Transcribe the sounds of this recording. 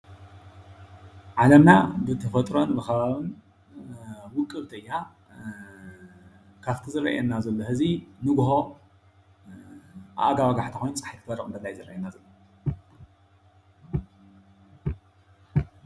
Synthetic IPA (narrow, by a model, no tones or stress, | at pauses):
ʕalɐmna̰bɨt̪ʰɐfɐt̪ʼɾo̞nbɨxɐβaβɨn | wʊkʼːɨβt̪ʰɐjːa | kʰaft̪ʰizɨɾɐ̰ʔɛ̰nazɐlːohɨzinɨɡɦo̞ | ʔa̰ʔaɡawaɡaħt̪ʰi̥xojnt͡sʼḁħajkʰɨfɐɾɐʔʼɨnd̪ɐlːajzɨɾɐ̰ʔenːazɐlːo